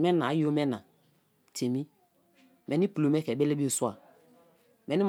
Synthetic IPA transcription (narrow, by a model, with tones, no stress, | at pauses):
mɛ˦nã˨˦jo˦mɛ˦na˨ | tʰe˨mi˦ | mɛ˨ni˦pu˨lu˨mɛ˦kɛ˨be˦le˦bi˦o˦˨su˦a˨ | mɛ˨˦ni˦m